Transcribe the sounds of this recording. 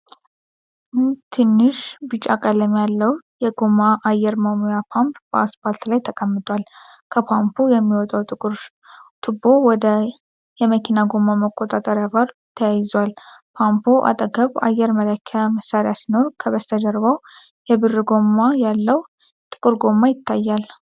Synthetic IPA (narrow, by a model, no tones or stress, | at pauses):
t̪ʰɨnːɨʃbɨt͡ʃʼakʼələmjalːəwjɛɡomːaʔajɛɾmamojapʰampb̥əaspʰalt̪lajt̪ʰəkʼəmːɨt̪ʼwal | kʰəpʰampʰujɛmːiwɔt̪ʼawt̪ʼɨkʼɨɾ | t̪ʰɨbo̞wɔd̪ə | jɛməkʰinaɡo̞mːaməkʼːot̪ʼat̪ʼəɾjavaɾ | t̪ʰəjajɪzwalpʰampʰoʔa̰t̪ʼəɡəβa̰jɛɾmələkʰːaməsːaɾejasino̞ɾkʰəβəst̪ʰəd̪əɾβaw | jɛbɨrːɨɡo̞mːajalːəw | t̪ʼɨkʼɨɾɡo̞mːajɪt̪ʰːajːal